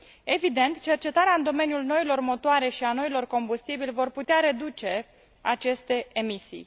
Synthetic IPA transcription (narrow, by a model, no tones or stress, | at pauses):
e̞vid̪e̞nt̪t͡ʃe̞rt͡ʃe̞t̪aɾeaɨnd̪o̞me̞njulno̞ilo̞rmo̞t̪oaɾe̞ʃiano̞ilo̞rko̞mbust̪ibilʲvo̞rput̪eaɾe̞d̪ut͡ʃe̞ | at͡ʃe̞st̪e̞emisḭj